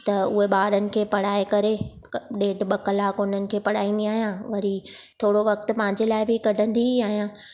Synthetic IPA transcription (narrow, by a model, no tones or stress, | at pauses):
t̪ɐʊɦeɓaːɾənɪ̆kʰeːpɐɽ̤aːekɐɾe | ɗeːɖɓɐkɐlaːkʊn̤ənɪ̆kʰeːpɐɽaːĩːnd̪iaːɦijãʋɐɾit̪ʰoːɽoʋɐkt̪ɪ̆pɐ̃ɦɪ̃ɲd͡ʑelaːɪbɪkɐɖʱə̃nd̪iaːɦijãː